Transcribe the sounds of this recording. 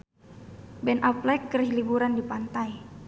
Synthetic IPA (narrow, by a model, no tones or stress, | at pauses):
bɛnʔaplɛkːərhlibuɾandipant̪aj